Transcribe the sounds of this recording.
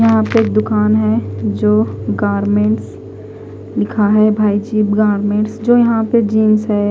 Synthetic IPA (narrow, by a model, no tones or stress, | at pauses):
jɐɦãpeeːk̚d̪ʊkaːnɦɛd͡ʒoːɡaːɾmẽːɳʈs | lɪkʰaɦɛbʱaːid͡ʒiːɡaːɾmẽːɳʈsd͡ʒoːjɐɦãped͡ʒiːmsɦɛ